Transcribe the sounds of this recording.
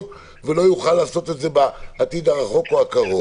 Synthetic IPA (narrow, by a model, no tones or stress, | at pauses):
ve̞lo̞juχalːaːso̞t̪e̞tze̞baːt̪id̪aʁaχo̞koakaʁo